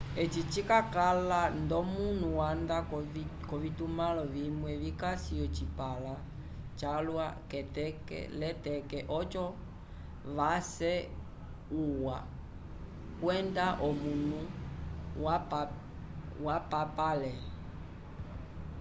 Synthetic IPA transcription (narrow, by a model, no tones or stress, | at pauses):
ɛt͡ʃit͡ʃikakalandɔmun̤uwandakɔʋitumalɔʋimwɛβikasiɔt͡ʃipala | t͡ʃalwakɛtɛkɛ̰lɛtɛkɛʔɔt͡ʃɔ | ʋasɛ | uwa | kwɛndaʔɔmunu | wa | wapapalɛ